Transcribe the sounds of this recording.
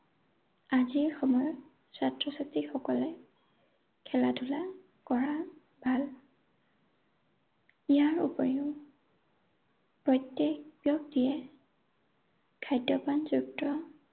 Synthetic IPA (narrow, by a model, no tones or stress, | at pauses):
aziɹxɔmɔjɔt | satɹɔsatikxɔkɔlɛ | kʰɛlatʰula | kɔɹa | bʱal | ijaɹṵpɔɹiʊ | pɹɔjtːjɛk̚bijɔk̚dijɛ | kʰajdjɔpanzuktːɔ